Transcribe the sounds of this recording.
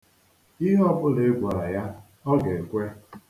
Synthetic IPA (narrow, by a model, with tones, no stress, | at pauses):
i˦ɦɔ˦bʊ˦le˨˦ɡʷa˨ɾa˨ja˦ | ɔ˦ɡe˨kʷe˦